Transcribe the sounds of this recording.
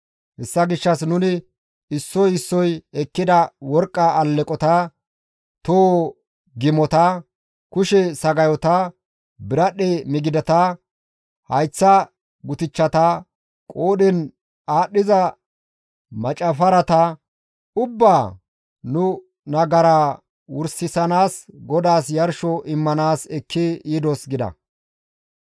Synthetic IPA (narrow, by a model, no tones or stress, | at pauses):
hɛsːɐɡɪʃːɐsnʊnɪ | ɪsːɔjɪsːɔjɛkːɪd̪ɐwɔɾkʼːɐːlːɛkʼɔt̪ɐ | t̪o | ɡɪmɔt̪ɐ | kʊʃɛsɐɡɐjɔt̪ɐ | bɪɾɐɗeːmɪɡɪd̪ɐt̪ɐ | hɐjt͡sːɐ | ɡʊt̪ɪt͡ʃːɐt̪ɐ | kʼoːdɛn | aːɗːɪzɐ | mɐt͡ʃʼɐfɐɾɐt̪ɐ | ʊbːaː | nʊ | nɐɡɐɾaː | wʊɾsɪsɐnaːsɡɔd̪aːsjɐɾʃɔʔɪmːɐnaːsɛkʰːɪiːd̪ɔsɡɪd̪ɐ̰